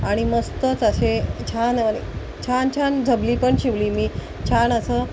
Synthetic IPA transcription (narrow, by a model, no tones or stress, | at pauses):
aɽ̃iməst̪ət͡saɕet͡ɕʰanənḛ | t͡ɕʰant͡ɕʰand͡zʱəbliːpəɳɕiʋliːmiː | t͡ɕʰanəsəː